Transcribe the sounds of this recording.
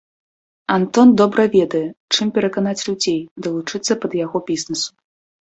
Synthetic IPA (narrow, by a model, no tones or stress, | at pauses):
ant̪ɔnd̪ɔbɾɐvʲɛd̪ɐjɛt͡ʂɨmpʲɛɾɐkanat͡sʲlʲud͡zʲejd̪ɐlˠut͡ʂɨt̪sːɐpɐd̪jaɣɔbʲiznɐsu̥